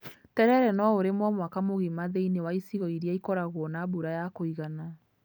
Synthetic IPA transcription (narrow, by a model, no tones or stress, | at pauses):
tɛɾɛɾɛnɔoɾemwɔmwakamoɣimaðeinewaisiɣɔiɾiaikɔɾaɣwɔnabuɾajakoiɣana